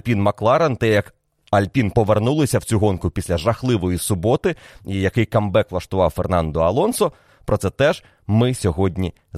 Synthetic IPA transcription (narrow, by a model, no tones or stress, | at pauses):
pʲinmɐklˠɑɾɐnt̪ɛjɐk | ɐlʲpʲinpɔʋernulˠɪsʲɐwt͡sʲuɦɔnkʊpʲisʲlʲɐʒɐxlˠɪʋɔjisʊbɔt̪ɪijɐkɪjkɐmbɛklˠɐʃt̪ʊʋɑwfernɑnd̪ɔɐlˠɔnsɔ | pɾɔt̪sɛt̪ɛʒ̥ | mɪsʲɔɦɔdʲnʲi